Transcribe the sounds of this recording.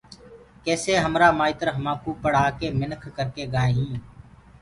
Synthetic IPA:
kɛːseːɦəmɾaːmaːɪt̪əɾɦəmãːkuːpəɽ̤aːkeːmɪnəkʰkəɾkeːɡaːeːɦĩː

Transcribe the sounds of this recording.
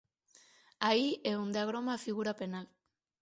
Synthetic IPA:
aiʔeund̪eaɣ̞ɾomafiɣuɾape̞nal

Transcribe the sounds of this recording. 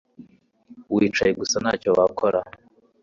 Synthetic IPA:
wiːt͡ʃajeɡusanaːcowakʰoɾa

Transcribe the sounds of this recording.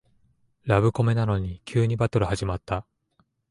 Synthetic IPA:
ɾaβɯ̟ko̞me̞nano̞ɲ̟ikʲɨːɲ̟ibat̪o̞ɾɯ̟haʑimat̪ːa

